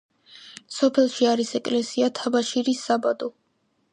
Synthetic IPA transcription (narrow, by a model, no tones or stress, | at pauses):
sɔpʰɛlˠʃiaɾisɛkʼlɛsiat̪ʰabaʃiɾisːabad̪ɔ